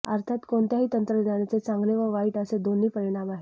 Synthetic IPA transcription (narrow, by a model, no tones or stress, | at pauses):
ə̰ɾt̪ʰat̪koɳt̪jaɦiːt̪ənt̪ɾəd̪aɽ̃jat͡set͡sãŋɡleʋəʋaiːʈəsed̪onːiːpəɽɳaʋaɦi